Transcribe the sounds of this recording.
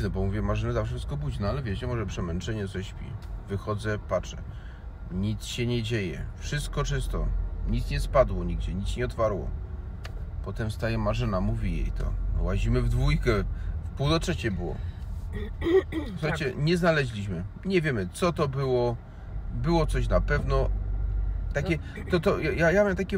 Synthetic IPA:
nɔbɔmuvʲjɛmaʐɘnɛzafʂɨst̪̚kɔbud͡ʑnɔalɛvʲjɛt͡ɕɛmɔʐɛpʂɛmɛnt͡ʂɛɲɛɔɕpʲḭvɘxɔd̪zɛpat͡ʂɛ̰ | ɲit̪sɕɛɲɛd͡ʑejɛ̰fʂɘst̪̚kɔt͡ʂɘst̪ɔɲit̪sɲɛspad̪wɔɲiɡd͡ʑɛɲit̪sɲɛɔt̪faɾwɔ̰ | pɔt̪ɛmst̪ajɛmaʐɘnamuvʲijḛjt̪ʰɔ̰waʑimɘvd̪vujkɛfpuwd̪ɔtʂɛt͡ɕɛbɘwɔ̰ | suxajt͡ɕɛɲɛznalɛʑlʲiɕmɘɲɛvʲjemɘt̪sɔt̪ɔbɘwɔ | bɘwɔt̪sɔɕ̬napɛvnɔ | t̪akʲɛt̪ɔt̪ɔjajajaamt̪akʲɛ

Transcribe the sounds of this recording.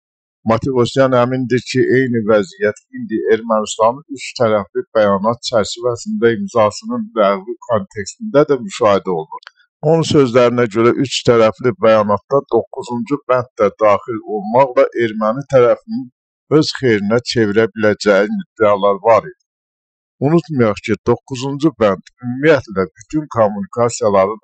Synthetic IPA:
mɑt̪ʰevosjɑnæmind̪iɾcʰiʔe̞jnivæzijæt̪ʰind̪ie̞ɾmænist̪ɑnɯnyt͡ʃt̪ʰæɾæflib̥æjɑnɑt̪̚t͡ʃʰæɾt͡ʃʰivæsind̪æimzɑsɯnɯnlæɣvikʰo̞nt̪ʰe̞kst̪ind̪æd̪æmyʃɑːhid̪æo̞lˠnuɾ | o̞nunsø̞zlæɾinæɟø̞ɾæʔyt͡ʃt̪ʰæɾæflibæjɑnɑt̪d̪ɑd̪o̞kːuzund͡ʒubænt̪læd̪ɑːχilo̞lˠmɑʁlˠɑʔe̞ɾmænit̪ʰæɾæfinin | ø̞z̥χe̞jɾinæt͡ʃʰe̞viɾæbilæd͡ʒæjinid̪eɑlˠɑɾvɑɾid̪̥i̥ | unut̪mɑjɑχcʰid̪o̞kːuzund͡ʒubænt̪ymːijæt̪læbyt̪ʰynkʰomːunikʰɑsijɑlˠɑɾɯ

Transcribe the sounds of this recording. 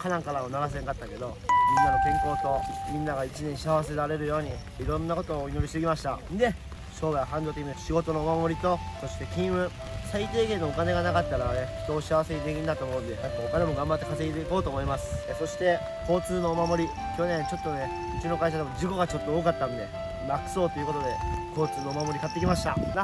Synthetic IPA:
kʰanãŋkaɾaonaɾas̬eŋkat̪ːake̞d̪o̞mʲĩnːaɡokẽ̞ŋko̞ːt̪o̞mʲĩnːaɡait͡ɕinẽ̞ɰ̃ɕiaβase̞ɾaɾe̞ɾɯ̟jo̞ːɲ̟i | iɾõ̞nːako̞t̪o̞ːino̞ɾʲiɕt̪eɡʲimaɕi̥t̪aɯnd̪e̞ | ɕo̞ːbaahãnd̪o̞t̪ekʲinɕiɡo̞t̪o̞no̞mamo̞ɾʲit̪o̞so̞ɕi̥t̪e̞kʲĩɰ̃ɯ̟̃ | sait̪e̞ːɡẽ̞nːoːkane̞ɡanakat̪ːaɾane̞çi̥t̪o̞ːɕiaβase̞ɲʲid̪ekʲiɲ̟id̪at̪omoɯ̃nd̪e̞at̪ːookanemo̞ɡãmbat̪ːe̞kaseit̪eiko̞ːt̪oːmo̞imasɨ̥so̞ɕi̥t̪e̞ | ko̞ːt͡sɨːno̞ːmamo̞ɾʲi | kʲo̞nẽ̞ɲ̃t͡ɕo̞t̪ːo̞ne | ɯ̟t͡ɕino̞kaiɕ̬ad̪e̞mo̞d͡ʑiko̞ɡat͡ɕo̞t̪ːo̞oːkat̪ːãnd̪e̞̰ | makɯ̟̥so̞ːt̪o̞iɯ̟ko̞t̪o̞d̪e̞ko̞ːt͡sɨːno̞ːmamo̞ɾikat̪ːe̞kʲimaɕi̥t̪a̰na

